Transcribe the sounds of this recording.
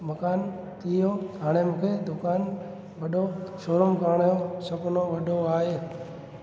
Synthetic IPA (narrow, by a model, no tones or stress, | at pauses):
mɐkaːn | t̪ijoɦaːɽ̃emũːkʰed̪ʊkaːn | ʋɐɗoʃoːɾəmkaːɳ̃jõsɐkʊnõʋɐɗoaːɦeː